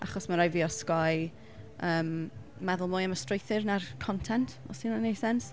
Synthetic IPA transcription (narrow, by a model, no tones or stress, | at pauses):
aχɔsmaɾajviːɔskɔj | əːmː | ɛðʊlˠmʊːjəməstrejθɪrnarkʰɔntʰɛntʰɔ̰sinnejsɛns